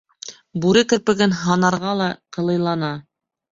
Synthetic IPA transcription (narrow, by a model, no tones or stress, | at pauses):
buɾɘkɘ̆ɾpɘ̆ɡɘnɦɑnɑɾʁɑlˠɑqɤ̆lˠɤ̆jlˠɑnɑ